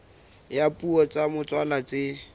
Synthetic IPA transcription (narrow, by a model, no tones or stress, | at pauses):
japʼuɔt͡sʼamʊt͡sʼwalat͡sʼɪ